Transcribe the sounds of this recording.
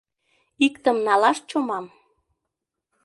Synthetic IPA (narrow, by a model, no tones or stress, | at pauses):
ikt̪əmnɑlɑʃt͡ɕomɑm